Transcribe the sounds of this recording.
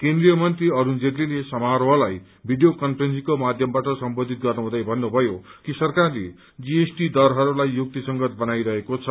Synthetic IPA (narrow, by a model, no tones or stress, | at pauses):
kend̪rijʌmʌnt̪riʌɾund͡zerlilesʌmaɾɦʌlaj | bʱiɖijokʌnpʰʌrensikomad̪ʱjʌmbaʈʌsʌmbod̪ʱit̪̚ɡʌrnʌɦũd̪ajbʱʌnːubʱʌjokisʌrkarlḛ | d͡ziesʈid̪ʌɾɦʌɾulajːuk̚t̪isʌŋɡʌt̪̚bʌnajɾʌɦekot͡sʰʌ